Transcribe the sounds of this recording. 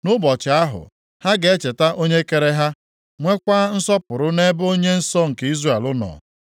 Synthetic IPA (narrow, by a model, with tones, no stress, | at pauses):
nʊ˦bɔ˨t͡ʃɪ˨a˦ɦʊ̰˨ | ha˦ɡe˨e˦t͡ʃe˨ta˦ʔo˦ɲe˦ke˨ɾe˦ɦa˦ | ŋʷe˦kʷa˦n̩˦sɔ˦pʊ˨ɾʊ˦ne˦bo˦ɲe˦n̩˦sɔ˦ŋ̩˨ki˦zre˦˨lʊ˦nɔ̰ː˨